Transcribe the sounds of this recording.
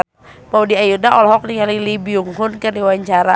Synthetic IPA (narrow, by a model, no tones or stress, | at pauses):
baudiajudaʔɔlɦɔk̚niŋalilibiuŋhʊnkɨrdiwaɲt͡ʃaɾa